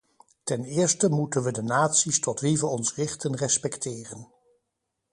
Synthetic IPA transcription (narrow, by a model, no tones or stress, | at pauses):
tɛnɪːɹstəmutənʋədənaːtsistɔtlivəɔnsrɪχtənrɛspɛktʰɪːrən